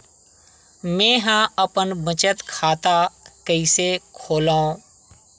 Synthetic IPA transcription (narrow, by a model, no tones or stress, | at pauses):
mẽːɦãəpənbət͡ʃət̪kʰaːt̪akəɪsekʰoːlaːõː